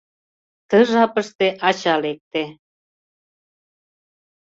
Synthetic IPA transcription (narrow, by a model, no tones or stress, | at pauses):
t̪ə̆ʒɑpə̆ʃt̪eʔɑt͡ɕɑlek̚t̪e